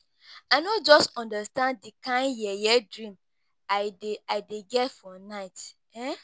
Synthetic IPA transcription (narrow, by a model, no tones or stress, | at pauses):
aɪnɔ̃td͡ʒɔstɔ̃ndəstãndikãɪ̃njɛjɛdɹĩm | aɪdeaɪdeɡɛtfɔnaɪt | ɛ